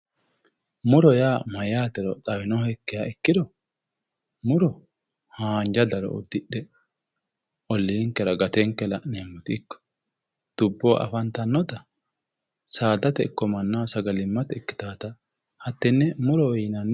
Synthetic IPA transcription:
mʊɾɔjaːmɐjaːt̪ɛɾɔt̪ʼɐwɪnɔhɛkːɪjaːɛkːɪd̪ɔ | mʊɾɔ | haːnd͡ʒɐd̪ɐɾɔ̰ɔ̰d̪ːɪɗɛ | ʔɔlːiːŋkːɛɾɐɡɐt̪ɛŋkːɛlɐneːmːʊt̪ɪɪkːɔ̥ | d̪̥ʊbːoːʔɐ̰fɐnt̪ɐnːɔt̪ɐ | saːd̪ɐt̪ɛɪkːɔmɐnːɐwsɐɡɐlɪmːɐt̪ɛɪkːɪ̥t̪aːt̪ɐ | hɐt̪ːɛnːɛmʊɾɔwɛjnɐnː

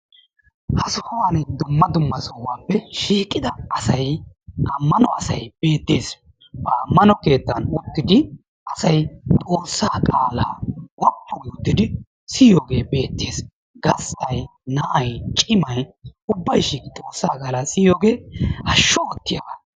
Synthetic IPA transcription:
hɐsʊhɔwaːnd̪ʊmːɐd̪ʊmːɐsɔwaːpːɛʃiːkʼːɪd̪ɐɐsɐj | ɐmːɐnɔɐsɐ̰jb̥e̞ːt̪ːeːs | bɐːmːɐnɔke̞ːt̪ːɐnʊt̪ːɪd̪ɪ | ʔɐsɐjt̪ʼo̞ːsːaːkʼaːla̰ːwɐpːɔɡʊt̪ːɪd̪ɪ | sɪjoːɡe̞ːbe̞ːt̪ːeːs | ɡɐsɐjnɐʔɐjt͡ʃʼɪmɐjʊbːɐjʃiːkɪt̪ʼo̞ːsːaːkʼaːlaːsɪjoːɡe̞ːhɐʃːɔɔt̪ːɪjaɡa

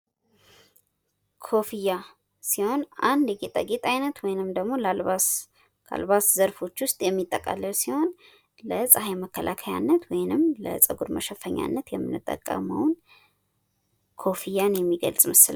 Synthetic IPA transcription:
kʰo̞fija | siho̞nand̪jɛɡet̪ʼa̰ɡet̪ʼajnət̪wɔjnɨmd̪əɡmo̞la | kʰa̰lβaszəɾfo̞t͡ʃːwʊst̪ʼjɛmːit̪ʼːəkʼa̰lːəlsiho̞n | ləsʼəɦajməkːəlʔakʰəja̰nːət̪wɔjnɨmlə̰sʼəɡuɾməʃɛfːəɲːa̰nːət̪jɛmːɨnːɨt̪ʼːə̰kʼːə̰mə̰wn | kʰo̞fijanjɛmːiɡə̰lsʼməsɨla

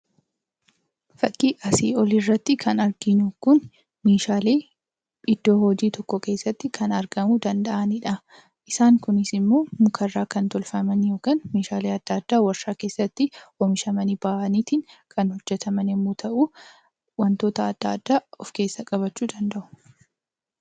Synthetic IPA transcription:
fɐkʼːiʔɐsḭːɔlɪrːɐt̪ːɪkʰɐnɐɾɡɪɲukʊn | meːʃaːle̞ː | ɪd̪̥ːo̞ːhɔd͡ʒiːt̪ɔkːɔke̞ːsːɐt̪ːɪkʰɐnɐɾɡɐmud̪ɐnd̪ɐʔɐnɪᶑɐ | ʔɪsaːŋkʊnɪsɪmːo̞ːmʊkʰɐrːaːkɐnt̪ɔlfɐmɐnjo̞ːkaːnmeːʃaːleːɐd̪̥ːɐːd̪̥ːaːwɐɾʃaːke̞ːsːɐt̪ːɪɔmɪʃɐmɐniːbaːʔɐniːt̪ɪnkʰɐnhɔd͡ʒːɛt̪ʰɐmɐnɛmːuːt̪ʰɐʔuː | wɐnt̪o̞ːt̪ɐːd̪ːaːd̪ːaːɔfke̞ːsːɐkʼɐβɐt͡ʃːuːd̪ɐnd̪ɐʔʊ̥

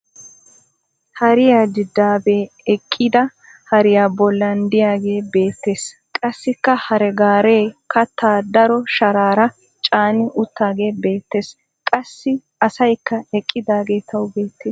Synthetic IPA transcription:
hɐɾɪjaːd̪ɪd̪ːaːbeː | ɛkʼːɪd̪ɐ | hɐɾɪjaːbɔlːɐnd̪ɪjaːɡe̞ːbe̞ːt̪ːe̞ːs | kʼɐsːɪkːɐhɐɾɛɡaːɾeːkɐt̪ːaːd̪ɐɾɔʃɐɾaːɾɐ | t͡ʃʼaːnɪʔʊt̪ːaːɡe̞ːbe̞ːt̪ːe̞ːs | kʼɐsːɪ | ɐsɐjkːɐɛkʼːɪd̪aːɡe̞ːt̪ʰɐwbeːt̪ːeːs

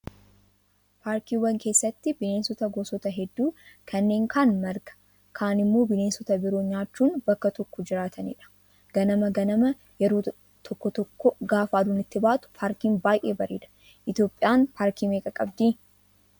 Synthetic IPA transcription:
paːɾkiːwɐŋke̞ːsːɐt̪ːɪbɪne̞ːnsɔt̪ɐɡɔːsɔt̪ɐɦɛd̪ːuːkʰɐnːe̞ːŋkʰaːnmɐɾɡɐ̥ | kʰaːnɪmːo̞ːbɪne̞ːnsɔt̪ɐbɪɾoːɲaːt͡ʃːuːnbɐkːɐt̪ɔkːɔd͡ʒɪɾaːt̪ʰɐnḭːᶑɐ̥ | ɡ̥ɐnɐmɐɡɐnɐmɐ | jɛɾoː | t̪ʰɔkːɔt̪ɔkːɔɡaːfaːd̪uːnɪt̪ːɪbaːt̪ʊ̥pʰaːɾkiːmbaːjʔḛːbɐɾḭːᶑɐ̥ | ʔɪt̪jo̞ːpʼːɪjaːnpʰaːɾkiːmeːkʼɐkʼɐbd̪iː

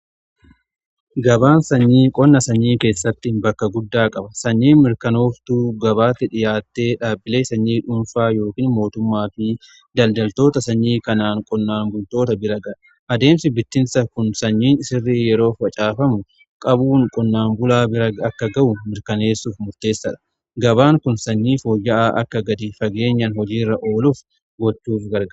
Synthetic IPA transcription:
ɡɐbaːnsɐɲːiːkʼɔnːɐsɐɲːiːke̞ːsːɐt̪ːɪnbɐkːɐɡʊd̪ːaːkʼɐbɐsɐɲːiːmɪɾkɐno̞ːft̪uːɡɐβaːt̪ːɪᶑɪjaːt̪ːe̞ːᶑaːbːɪleːsɐɲːiːᶑʊnfaːjo̞ːkiːnmo̞ːt̪ʊmːaːfɪ | d̪ɐld̪ɐlt̪o̞ːt̪ɐsɐɲːiːkɐnaːŋkʼɔnːaːŋɡʊlt̪o̞ːt̪ɐbɪɾɐɡɐᶑ | ʔɐd̪e̞ːmsɪbɪt̪ːɪnsɐkʊnsɐɲːiːnɪsɪrːiːjɛɾo̞ːfɐt͡ʃʼaːfɐmʊ | kʼɐbuːŋkʼɔnːaːmbʊlaːbɪɾɐɐkːɐɡɐʔʊmɪɾkɐne̞ːsːuːfmʊɾt̪e̞ːsːɐᶑɐ̥ | ɡɐbaːŋkʊnsɐɲːiːfoːjːɐʔaːʔɐ̰kːɐɡɐd̪ifɐɡe̞ːɲːɐnhɔd͡ʒiːrːɐʔo̞ːlʊf | ɡɔt͡ʃːuːfɡɐɾɡ

